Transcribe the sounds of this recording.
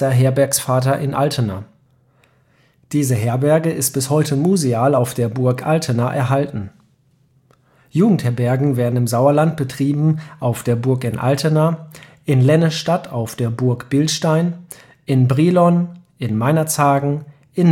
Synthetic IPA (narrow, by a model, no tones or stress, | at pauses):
ɐɦeːɐbɛɐksfaːtɐʔɪnʔaltʰəna | d̥iːzəɦeːɐbɛɐɡəʔɪst̚b̥ɪshɔʏtʰəmuzeaːlaʊfd̥eːɐbʊɐkʔaltʰənaʔɛ̰ɐɦaltn̩ | juːɡŋ̩thɛɐbɛɐɡŋ̩veːɐdn̩ɪmzaʊɐlant̚b̥ətʁ̥iːbm̩ʔaʊfd̥eːɐbʊɐkɪnʔa̰ltʰənaʔɪnlɛnəʃtatʰaʊfd̥eːɐbʊɐkb̥ɪlʃtaɪn | ʔɪnbʁilɔnʔɪnmaɪnɐt͡shaːɡŋ̩ | ʔɪn